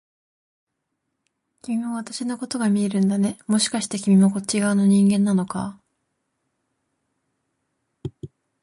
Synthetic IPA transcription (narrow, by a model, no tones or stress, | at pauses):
kʲimʲimoβat̪aɕino̞ko̞t̪o̞ɡamʲie̞ɾɯ̟̃nd̪ane̞mo̞ɕi̥kaɕi̥t̪e̞kʲimʲimo̞ko̞t͡ɕiɡaɯ̟no̞ɲ̟ĩŋɡẽ̞nːano̞ka̰